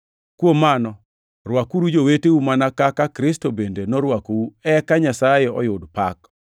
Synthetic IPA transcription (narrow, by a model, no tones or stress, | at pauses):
kwomːanɔ | rwakuɾud͡ʒoweteumanakakakɾɪstobendenɔɾwakouɛkaɲasajeɔjʊdpak